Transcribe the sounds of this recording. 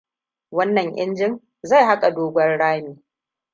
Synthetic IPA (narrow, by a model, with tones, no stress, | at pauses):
wɐ˦nːɐ˨ŋʔɪ̰˦nd͡ʒɪ˦ŋ | za˦˨jɦa˦kʼa˨doː˦ɡʷɐ˦rɽaː˦miː˨